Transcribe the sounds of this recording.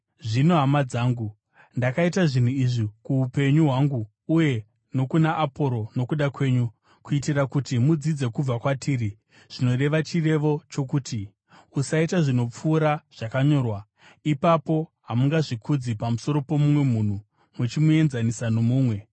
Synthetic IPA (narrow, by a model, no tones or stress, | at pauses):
ʐino̞ɦamad͡zaːŋɡu | ndakaitaʐin̤uiʐikuupe̞ɲuɦwaŋɡuː | je̞ | no̞kunaʔːpo̞ɾo̞no̞kuɗakwe̞ɲu | kuitirakutimud͡zid͡ze̞kub͡vakwatʰiːri | ʐ̥ino̞re̞ʋat͡ʃire̞ʋo̞t͡ʃo̞kuːti | usaitaʐino̞p͡fuːɾaʐ̥akaɲo̞ːrwa | ipapo̞ɦamuŋɡaʐikʰud͡zipamuso̞ɾo̞po̞mumwe̞mun̤u | mut͡ʃimue̞nzanisano̞muːmwe̞